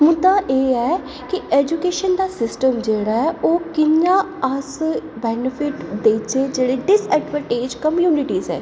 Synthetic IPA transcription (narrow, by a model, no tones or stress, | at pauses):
mʊd̪ãːʔeːɛː | kieːd͡ʒukeːʃənd̪aːsɪsʈəmd͡ʒeːɽaːɛʔoːkɪɲãː | əsbɛːnɪpʰɪʈd̪eːt͡ʃeːd͡ʒeːɽeːɖɪsɛːɖʋə̃ʈeːd͡ʒkəmjuːnɪʈiːzɛ̰ː